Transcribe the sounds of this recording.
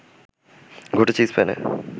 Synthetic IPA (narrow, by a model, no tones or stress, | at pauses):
ɡʱoʈet͡ɕispɛnḛ